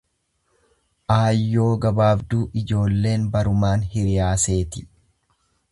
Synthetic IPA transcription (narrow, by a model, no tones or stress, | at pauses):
ʔaːjːo̞ːɡɐbaːbd̪uːʔɪd͡ʒo̞ːlːe̞ːnbɐɾʊmaːnhɪɾɪjaːse̞ːt̪ɪ̥